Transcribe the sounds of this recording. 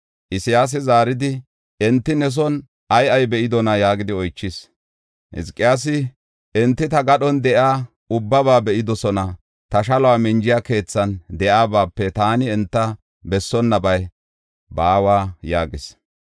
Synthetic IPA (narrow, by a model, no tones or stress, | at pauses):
ʔɪsɪjaːs̬ɛzaːɾɪd̪ɪ | ɛnt̪ːɪnɛs̬ɔn | ʔɐjɐjbɛʔɪd̪ɔnɐjaːɡɪd̪ɪɔjt͡ʃːɪs | hɪ̰skʼːɪjaːs̬ɪ | ɛnt̪ːɪt̪ɐɡɐɗɔnd̪ɛʔaː | ʊbːɐβaːbɛʔɪd̪ɔsɔnɐ | t̪ɐʃɐlɔaːmɪnd͡ʒɪjaːke̞ːt͡sːɐnd̪ɛʔaːbaːpːɛt̪aːnɪɛnt̪ːɐ | bɛsːɔnːɐbɐj | baːwaːjaːɡɪs